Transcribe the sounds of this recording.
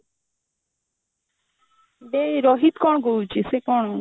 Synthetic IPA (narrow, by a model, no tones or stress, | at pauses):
beɾɔɦit̪kɔɳ̃ɡout͡ʃʰisekɔɳ̃